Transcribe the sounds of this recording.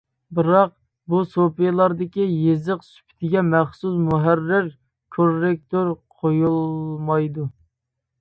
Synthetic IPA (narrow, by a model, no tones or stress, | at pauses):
bɨɾɑq̚ | busopijlˠɑɾd̪ɪkʲijezəqsy̥pʰɪ̥t̪ʰɪɡʲɛmæχsusmuɦærːɪɾ | kʰoɾːɪk̚t̪ʰoɾqʰojulˠmɑjd̪u